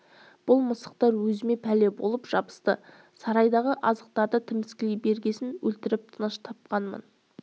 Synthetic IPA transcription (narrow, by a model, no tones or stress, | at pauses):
b̥ʊlˠməsə̥q̚t̪ɑɾwɵzɪme̞pʰæle̞bo̞̰lˠəpʒ̥ɑbə̥st̪ə | sɑɾɑjd̪ɑʁəʔɑzəq̚t̪ɑɾd̪ət̪ʰɪmɪskʲɪlejbe̞ɾɡʲe̞sɪnwɵlt̪ɪɾɪp̚t̪ʰənəʃt̪ʰɑp̚qɑnmə̰n